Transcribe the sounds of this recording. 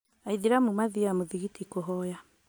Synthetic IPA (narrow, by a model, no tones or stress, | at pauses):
aiðiɾamumaðiamoðiɣitikoɦɔja